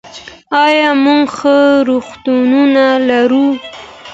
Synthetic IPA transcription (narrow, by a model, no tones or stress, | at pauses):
ɑjɑmuŋɡxəɾoxt̪ununalaɾu